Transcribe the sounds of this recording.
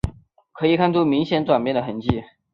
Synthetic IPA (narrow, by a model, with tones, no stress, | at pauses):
kʰɤ˧˥i˨˩kʰa˥˧nt͡su˥˩mi˧˥ŋɕjɛ˧˥nt͡swa˨˩nmjnd̪ə˩xə˧˥nt͡ɕi˥˩